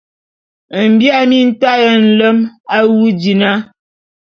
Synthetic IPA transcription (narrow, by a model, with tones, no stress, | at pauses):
m̩˨bja˦mi˦n̩˦ta˦jə˨n̩˨lə˦ma˦wu˦di˨na˦